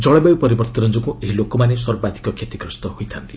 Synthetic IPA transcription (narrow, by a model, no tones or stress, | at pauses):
d͡ʒɔɭebajupɔɾibɔɾt̪ɔɾɔnd͡ʒɔkueɦilokɔmanesɔɾɔbad̪ʱi̥kɔkʰet̪ikɾɔst̪ɔhojt̪ʰant̪i